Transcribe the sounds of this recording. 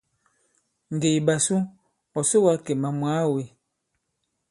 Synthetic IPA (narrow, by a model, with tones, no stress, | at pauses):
ŋ̩˨ɡe˨jba˨su˦ | ɔ˨sə˦wa˦ke˨ma˨mwa˨˦˨we˨